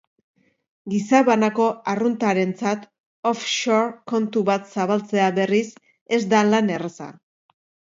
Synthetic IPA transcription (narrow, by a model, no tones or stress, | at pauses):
ɡisaβanako̞arunt̪aɾe̞nt͡sat̪ | ofʃoɾko̞nt̪uβat̪saβalt͡se̞aβe̞ris | e̞zd̪alane̞resa̰